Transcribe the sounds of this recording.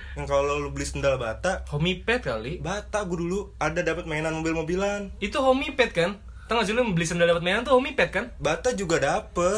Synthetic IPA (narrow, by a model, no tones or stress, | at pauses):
jaŋkallolubəlɪsəndalbat̪ahomipɛt̪̚ka̰libat̪aɡuduluadadapət̪̚maenanmobɪlmobilanit̪uɦomipɛt̪̚kan | t̪aŋasulʊbəlɪsəndaldapət̪maenant̪̬uhomipɛt̪̚kanbat̪ad͡ʒuɡadapə